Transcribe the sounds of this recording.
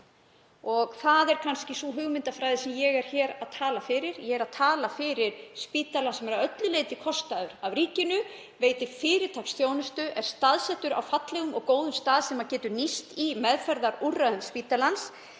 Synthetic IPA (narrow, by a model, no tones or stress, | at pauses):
ɔɣθaðɛɾ̥kʰanscɪsuɦʏɣmɪnt̪afɾaːjðɪsɛmjɛɣɛɾ̥çɛːɾaðt̪ʰaːlafɪɾɪɾjɛɣɛɾaðt̪ʰaːlafɪːɾɪɾ̥spiːt̪alasɛmɛɾaœt̪lʏleːjt̪ɪkʰɔst̪aðʏɾavɾiːcɪnʏ | veːjt̪ɪfɪːɾɪt̪ʰaksθjoːwnʏst̪ʏʔɛɾ̥st̪aðsɛht̪ʏɾa̰wfat̪lɛɣʏmɔ̰ɣkoːwðʏmst̪aːðsɛmacɛːt̪ʏɾnist̪imɛðfɛɾðaɾurːaðʏmspiːt̪alans